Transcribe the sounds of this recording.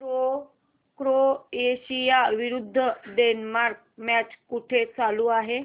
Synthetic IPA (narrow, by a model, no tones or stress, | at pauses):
o | kɾoeɕijaʋiɾud̪ʱːəɖenmaɾk̚ | mæt͡ɕkuʈʰet͡saluːaɦe